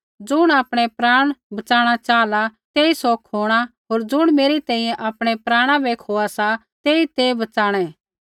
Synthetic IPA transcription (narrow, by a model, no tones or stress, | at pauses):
d͡ʒʊɽ̃aːpɽ̃epɾaːɽ̃bɐt͡ʃaːɽ̃at͡ʃaːlat̪eːisokʰoːɽ̃aɦoːɾd͡ʒʊɽ̃meːɾit̪ɛ̃ːĩjɛ̃ʔapɽ̃epɾaːɽ̃ãbeːkʰɦoːasa | t̪eːit̪ebɐt͡ʃaːɽ̃ɛ